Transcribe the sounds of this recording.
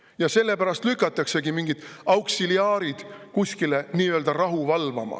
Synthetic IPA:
jɑse̞lːe̞pæɾɑst̪lykːˑɑt̪ːˑɑkse̞ɡimiŋɡ̥id̪̥ɑwksiliɑːɾid̪̥kusʲkile̞niːøld̪̥ɑrɑɦuvɑlvɑ̰mɑ̰

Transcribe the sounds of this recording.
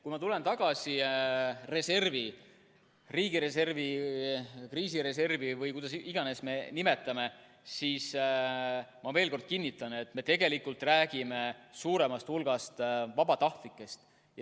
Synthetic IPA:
kujmɑt̪ule̞nt̪ɑɡ̥ɑsi | re̞se̞rvi | riːɡiɾe̞se̞rvi | kriːsiɾe̞s̬e̞rvivɯjkujd̪ɑsiɡ̥ɑne̞sme̞nime̞t̪ːˑɑme̞ | siːs | mɑve̞ːlko̞rd̪̥̚kinʲːit̪ˑːɑne̞t̪ːme̞t̪e̞ɡ̥e̞likːˑult̪ˑræːɡ̥ime̞suːɾe̞mɑst̪hulɡ̥ɑst̪vɑbɑt̪ɑht̪likːˑe̞st̪ | j

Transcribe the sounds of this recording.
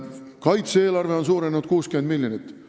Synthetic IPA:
kɑjt̪see̞ːlɑrve̞ons̬uːɾenud̪̥̚kuːskyme̞nmilʲːjonit̪ːˑ

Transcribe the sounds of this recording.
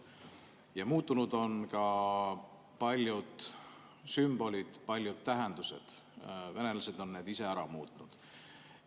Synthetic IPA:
jɑmuːt̪ːˑunud̪o̞nkɑ | pɑlʲjud̪̥ | symb̥o̞lʲid̪̥pɑlʲjud̪̥̚t̪ːæɦe̞nd̪used̪̥ | ve̞ne̞lɑse̞d̪o̞nːe̞ːd̪ise̞æɾɑmuːt̪ˑnud̪̥

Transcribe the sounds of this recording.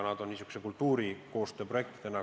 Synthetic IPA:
nɑd̪̥onnisy̥ku̥se̞kult̪ːuːɾiko̞ːst̪øːproe̞k̚t̪t̪enɑ

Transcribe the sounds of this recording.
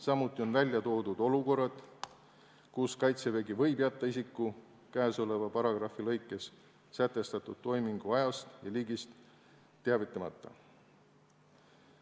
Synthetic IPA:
sɑmut̪ˑːio̞nvælʲjɑt̪o̞ːd̪̥ud̪̥o̞luko̞rːɑd̪̥ | kuskɑjt̪seve̞ɡivɤ̞jbjæt̪ˑːɑisikːˑu | kæːso̞le̞vɑpɑɾɑɡ̥rɑfilɤjkːˑe̞s | sæt̪ˑːe̞st̪ɑt̪ːˑud̪̥̚t̪ːo̞jmiŋɡ̥uɑjɑst̪jɑliːɡist̪ː | eɑvit̪ˑːɑmɑ̰t̪ːˑɑ̰

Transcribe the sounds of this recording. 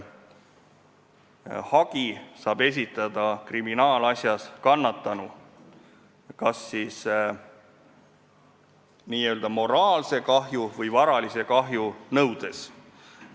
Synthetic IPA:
hɑɡ̥isɑːb̥e̞s̬ʲit̪ːˑɑd̪̥ɑkriminɑːlɑsʲjɑskɑnːɑt̪ˑːɑnu | kɑsːis | niːø̞ld̪̥ɑmo̞ɾɑːlse̞kɑɦjuvɤjvɑɾɑlise̞kɑɦjunɤwd̪̥e̞s

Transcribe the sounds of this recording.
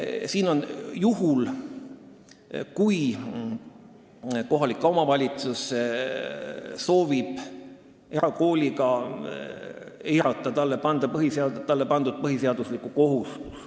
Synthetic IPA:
siːno̞njuɦul | kuj | ko̞ɦɑlikːˑɑomɑvɑlʲit̪sus | so̞ːvib̥ | eɾɑko̞ːlʲiɡɑ | ejɾɑt̪ːˑɑt̪ɑlːepɑnd̪̥ɑpɤɦiseɑt̪ɑlːe̞pɑnd̪̥ud̪̚pɤɦiseɑd̪̥uslikuko̞ɦust̪u̥s

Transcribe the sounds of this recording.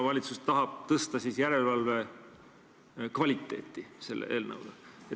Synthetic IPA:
ɑvɑlʲit̪sust̪ɑɦɑb̥̚t̪ɤst̪ɑsiːsjæɾe̞lvɑlve̞ | kvɑlʲit̪ːˑe̞̰ːt̪ːˑise̞lːʔḛʔeːlnɤ̰wd̪̥ɑe

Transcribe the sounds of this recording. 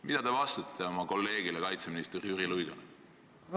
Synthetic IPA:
mid̪̥ɑd̪e̞vɑst̪ɑt̪ʰːˑeo̞mɑko̞lːe̞ːɡ̥ilekɑjt̪seminist̪eriyrilujɡ̥ɑl

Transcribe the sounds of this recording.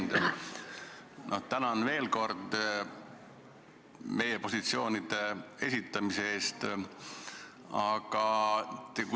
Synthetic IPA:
d̪̥ | nʔo̞t̪ænɑnve̞ːlko̞rd̪̥ | me̞jepo̞sit̪sio̞ːnid̪̥e̞e̞sʲit̪ːˑɑmiseeːst̪ | ɑɡ̥ɑt̪ːeku

